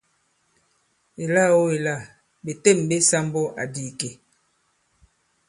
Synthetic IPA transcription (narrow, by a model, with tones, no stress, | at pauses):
e˨la˦˨wo˦e˨la˦˨ | be˨te˦˨mbe˦sa˦mbɔ˦ʔa̰˨diː˨ke˨